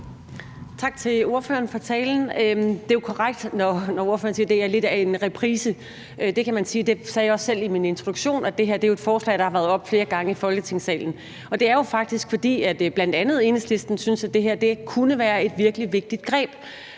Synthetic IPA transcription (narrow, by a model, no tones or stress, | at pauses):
t͡sʰɑ̈ɡ̥t͡sʰe̝lo̝ɐfø̰ɐn̩fɒ̽t͡sʰɛːln̩ød̥e̝jo̝kʰɒʁaɡ̥̚d̥nɒnɒo̝ɐfø̰ːɐnsiːɐd̥e̝æɐle̝d̥æe̝nʁɛpʰʁiːsə | ʔød̥e̝kʰæmænsiːd̥e̝sɛːjɑɒ̽sːel̰imine̝nt͡sʰʁod̥u̥ɕo̝̰ːnɒd̥e̝ɦeɐ̰d̥e̝jo̝ed̥fɒːslɛ̰ːɪɾ̥ɑ̈hɑʋæɐðˠɒ̽b̥fle̝ːɐɡ̥ɑ̈ŋəifɒ̽lɡ̥ət͡sʰe̝ŋ̰sɛ̰ːln̩ | ɒ̽d̥e̝æɐjo̝fɑ̈ɡ̥̚d̥isɡ̥fɒ̽d̥ḭːæd̥b̥læn̰d̥ænð̞̩ˠe̝ːnesle̝sd̥n̩synsæd̥e̝ɦæɐ̰d̥e̝kʰunəʋæːɐe̝d̥ʋiɐɡ̥əliʋe̝ɡ̥̚d̥id̥̚ɡ̥ʁɛ̰ːb̥